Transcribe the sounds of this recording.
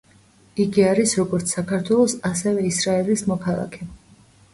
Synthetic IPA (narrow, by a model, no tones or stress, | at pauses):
iɡiaɾisɾɔɡɔɾt̪sʰsakʰaɾt̪ʰwɛlˠɔsasɛvɛisɾaɛlismɔkʰalˠa̰kʰɛ